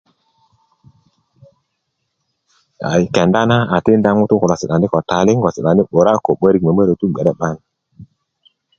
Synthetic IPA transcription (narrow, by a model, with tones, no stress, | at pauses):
a̰˨i˨kɛ˨nda˦na˦a˨ti˦nda˦ŋu˦tu˦ku˨lɔ˨si˨ɗa˨ni˦kɔ˨ta˨li˦ŋ˦ɡɔ˨si˨ɗa˨ndi˦ɓo˨ɾa˦ko˨ɓə˦ɾi˨k̚mə˨mə˦ɾə˨tu˦ɡ͡bɛ˨ɗɛ˦ɓa˦n˨